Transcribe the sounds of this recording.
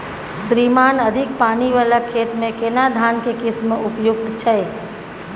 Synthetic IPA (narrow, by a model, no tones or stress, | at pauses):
sɾimaːnəd̪ʱɪk̚paːniʋaːlakʰeːt̪mẽkenad̪ʱaːnkekɪsmʊpjʊɡ̚t̪t͡ʃʰəe